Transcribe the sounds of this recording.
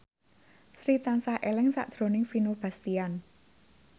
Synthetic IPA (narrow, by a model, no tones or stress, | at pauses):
sɾit̪ansahʔelɪŋsa̰ʔd̪̥ɾo̤nɪŋfinob̥a̤st̪ian